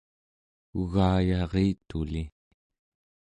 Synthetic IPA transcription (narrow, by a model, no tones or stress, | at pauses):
uɣaːjɑʁiːt̪uli